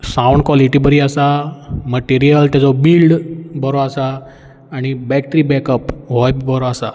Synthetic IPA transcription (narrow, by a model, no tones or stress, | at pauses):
sãwɳɖkʋɔliʈibəɾiasaməʈiɾijəlt̪jat͡sɔbilɖbəɾɔasaː | ɽ̃ibɛk̚ʈɾibɛkəpɦɔjbibəɾɔasa